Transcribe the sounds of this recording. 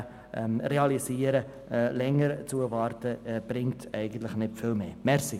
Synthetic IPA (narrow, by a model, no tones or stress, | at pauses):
ʔɛmreɑlisiːəɾə | lɛŋəɾt͡suəvɑrtəb̥rɪŋtɛɪɡən̩tləɪχnɪtfɪlmeːmɛrsi